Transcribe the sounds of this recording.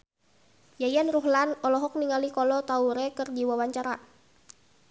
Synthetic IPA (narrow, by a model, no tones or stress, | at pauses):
jajanruɦlanɔlɔɦɔk̚niŋalikɔlɔt̪auɾɛkɨrdiwawaɲt͡ʃaɾa